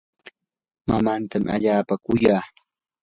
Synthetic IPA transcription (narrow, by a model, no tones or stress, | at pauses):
mamant̪ama̰ʎaːpakʊjaː